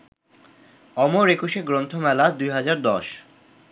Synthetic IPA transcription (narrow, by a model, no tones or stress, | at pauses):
ɔmoɾekuʃeɡɾont̪ʰomɛlad̪ujɦad͡ʑaɾd̪ɔʃ